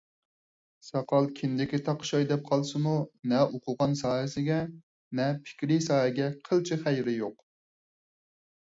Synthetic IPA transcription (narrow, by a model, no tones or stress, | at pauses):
sɑqʰɑlˠkʲʰɪnd̪ɪkʲit̪ʰɑqʃɑjd̪ɛp̚qʰɑlˠsɨmunɛʔoqʰʊʁɑnsɑːɦɪsɪɡʲɛ | nɛpʰɪ̥kʲɾisɑːɦɛɡʲɛqʰəlˠt͡ʃʰiχæjɾɪjoq